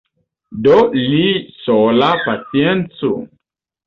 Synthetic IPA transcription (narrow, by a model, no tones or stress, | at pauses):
dɔlisɔlapasiɛnt͡sṵ